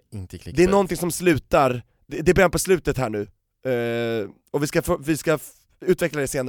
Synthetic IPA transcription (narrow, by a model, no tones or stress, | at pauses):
ɪ̰nt̪əkʰlɪ̰d̪ɛæɳɔnt̪ɪŋsɔmslʉ̟ːt̪aɾ | d̪ɛd̪ɛbɛɛpʰɔslʉ̟ːt̪ət̪hæːɳʉ̟ː | ɔvɪskafvɪska | ʉ̟ːt̪vɛklad̪ɛseːna